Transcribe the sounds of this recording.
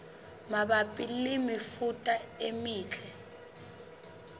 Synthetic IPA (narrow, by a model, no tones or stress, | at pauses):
maɓapʼilimifutʼaemiːt͡ɬʰɛ